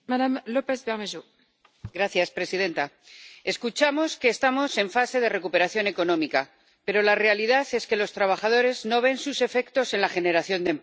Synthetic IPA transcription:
madamlopesbeʁmeʒu | ɡɾaθjaspɾe̞siðe̞nt̪a | e̞skut͡ʃamo̞ske̞ːst̪amo̞se̞ɱfase̞ð̞e̞re̞kupe̞ɾaθjo̞ne̞ko̞nõ̞mika | pe̞ɾo̞lare̞aliðaθe̞ske̞lo̞st̪ɾaβ̞axað̞o̞ɾe̞zno̞β̞e̞nsuse̞fe̞kt̪o̞se̞nlaxe̞ne̞ɾaθjo̞nd̪emp

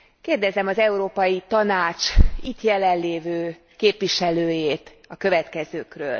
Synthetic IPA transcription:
keːrd̪ɛzɛmɒzɛuɾoːpɒjit̪ɒnaːt͡ʃit̪jɛlɛnleːvøː | keːpʋiʃɛløːjeːt̪ | ɒkø̞vɛt̪kɛzøːkrø̰ːl

